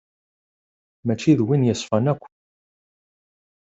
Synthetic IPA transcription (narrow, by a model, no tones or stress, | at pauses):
mæt͡ʃːiðwinjəsˤfænækʷː